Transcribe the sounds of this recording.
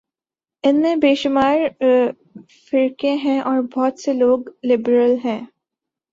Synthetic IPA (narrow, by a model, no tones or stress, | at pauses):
ɪnmẽbeːʃʊmaːɾ | fɪɾkẽɦɛ̃ʔɔːɾbɔːt̪seloːɡlɪbɾəlɦɛ̃ː